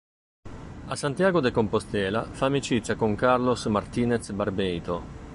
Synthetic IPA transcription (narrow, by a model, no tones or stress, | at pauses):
asant̪jaːɡod̪ekompost̪ɛːla̰famit͡ʃit͡ʃakuŋkaɾlosmaɾt̪iːnet̪sbaɾbɛjt̪o